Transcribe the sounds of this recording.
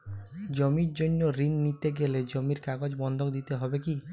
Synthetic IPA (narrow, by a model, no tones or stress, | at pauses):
d͡ʒomiɾd͡ʒonːoɾinːit̪eɡeled͡ʒomiɾkaɡod͡ʑbɔnd̪ʱokd̪it̪eɦɔbeki